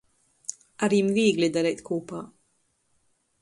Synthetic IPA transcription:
aɾimviːɡlid̪aɾɛt̪kuːpaː

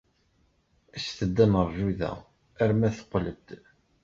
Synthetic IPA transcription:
æsθəd̪ːæməɾˤʒuðæ̰ | æɾmæθə̥qːləbd̪

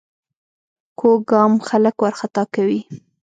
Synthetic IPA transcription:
kʰoɡɑmxaləkwaɾxat̪ɑkawi

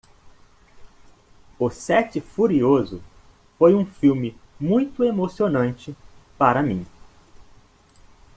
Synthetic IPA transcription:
ʊsɛt͡ʃɪfuɾiozʊ | fojũfiwmɪmũj̃t̪ʊemosionɐ̃nt͡ʃɪpaɾɐmĩ

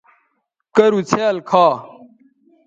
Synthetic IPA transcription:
kɐɾut͡sʰeɐlkʰaː

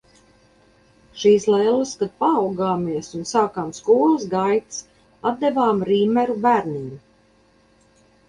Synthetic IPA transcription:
ʃiːslɛlˠaskad̪̚paːwɡaːmiəsunsaːkaːmskuːlˠɨsɡajt̪s | ad̪̚d̪evaːmɾiːmɛɾubæːɾniːm

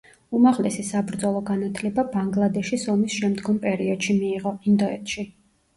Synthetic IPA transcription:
umaʁlɛsisabɾd̪zɔlˠɔɡanat̪ʰlɛbabaŋɡlˠad̪ɛʃisɔmisʃɛmd̪ɡɔmpʼɛɾiɔd̪̥ʃimiːʁɔind̪ɔɛt̪ʰʃi

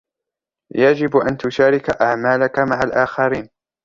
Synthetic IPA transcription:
jad͡ʒɪbʔant̪ʊʃaːɾɪkaʔaʕmaːlakamaʕalʔaːxɑɾiːn

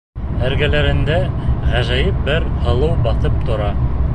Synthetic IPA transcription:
æɾɡælæɾɘ̆nd̪æʁæʒæjɘp̚bɘɾhɤ̆lˠɤwbɑθɤp̚t̪ŏɾɑ

